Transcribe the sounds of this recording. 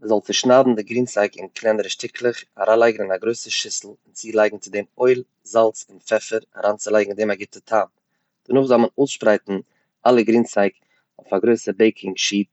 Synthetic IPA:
məzɔlˠt͡sɪʃnaːbm̩dɪɡɾiːnsaɪkɪ̰nkʰlˠɛnəɾəʃtɪkʰlˠɪχaɾʔaːnlˠaɪɡŋ̩ɪnaɡɾoɪsəʃɪsl̩ˠɪnt͡siːlˠaɪɡŋ̩t͡sɪdemoɪlˠ | zalˠt͡sɪnfɛfəɾa̰ɾaːnt͡sɪlˠaɪɡŋ̩deːmaɡɪtətʰaːm | d̥ənʊːχzɔlˠmənoːsʃpɾaɪtn̩ | alˠəɡɾiːnsaɪk | oʊfaɡɾoɪsəbeɪkʰɪŋʃiːt

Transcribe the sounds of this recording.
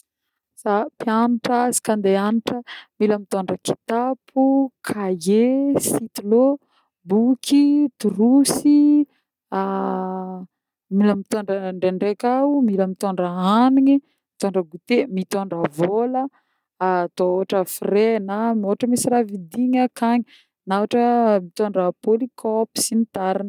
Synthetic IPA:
sapianiʈ͡ʂazi̥kand̪eaniʈ͡ʂəmiləmit̪oɳɖ͡ʐəki̥t̪apʰukʰajesit̪ilo | bukʰit̪uɾusi | a | miləmit̪oɳɖ͡ʐəɳɖ͡ʐeɳɖ͡ʐekamiləmit̪oɳɖ͡ʐəaniŋi | mit̪oɳɖ͡ʐəɡut̪emit̪oɳɖ͡ʐəvolə | t̪ooaʈ͡ʂəfrenamoaʈ͡ʂəmisiɾavid̪iŋəkaɲi | nawaʈ͡ʂəmit̪oɳɖ͡ʐəpolikʰɔpi̥sinit̪aɾinə

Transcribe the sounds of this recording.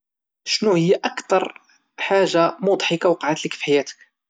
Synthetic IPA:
ʃnuhəjːaʔækt̪ɑɾˤ | ħaʒːamud̪ˤħəkawqɑʕat̪ləkfiħajæt̪ə̥k

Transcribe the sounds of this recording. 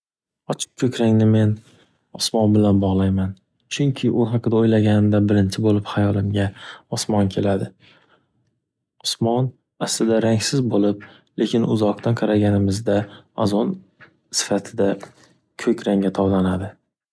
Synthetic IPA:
ɒt͡ʃʰɪ̥p̚kʲʰɵkʲɾaŋnɪme̞n | ɒsmɒnbɪlanbɒʁlˠajman | t͡ʃʰʊŋkʲʰɪʔʊɦɑqʰɨd̪aojlaɡʲanɪmd̪abɪɾɪnt͡ʃʰɪbolɪphajɒlˠɪmɡʲaɒsmɒnkʲʰe̞lad̪ɪ | ɒsmɒn | aslɪd̪aɾaŋʲsɪzbolɪp̚ | le̞kʲʰɪnʊ̰zɒq̚t̪ʰanqʰɑɾaɡʲanɪmɪzd̪aazɒn | sɪ̥fat̪ʰɪd̪a | kʲʰɵkʲɾaŋɡʲat̪ʰɒwd̪anad̪ɪ

